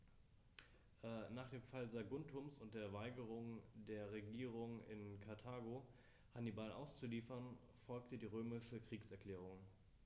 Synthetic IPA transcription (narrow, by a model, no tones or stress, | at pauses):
ʔɛnaːχd̥eːmfalzaɡʊntʰʊmsʊnt̚d̥eːɐvaɪɡəʁ̞ʊŋdeːɐʁeɡiːʁ̞ʊŋɪ̰nkʰaɐtʰaːɡo | hanibalʔa̰ʊst͡suliːfɐn | fɔlktədiːʁøːmɪʃəkʁ̥iːksɛɐkʰl̥ɛːʁ̞ʊŋ